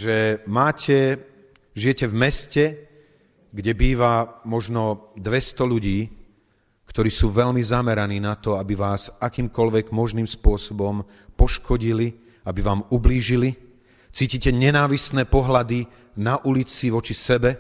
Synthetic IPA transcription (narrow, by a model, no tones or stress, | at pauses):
ʒɛmaːcʰɛ | ʒijɛcɛvmɛscɛ | ɡɟɛbiːʋamɔʒnɔd̪ʋɛst̪ɔʎuɟiː | kt̪ɔɾiːsuːʋɛʎmizamɛɾaniːnat̪ɔabiʋaːzakiːmkɔlʋɛɡmɔʒniːmspʊɔsɔbɔm | pɔʃkʰɔɟili | abiʋaːmubliːʒili | t͡siːcicɛɲɛnaːʋisnɛːpɔɦlad̪i | naʔulit͡siʋɔt͡ʃisɛbɛ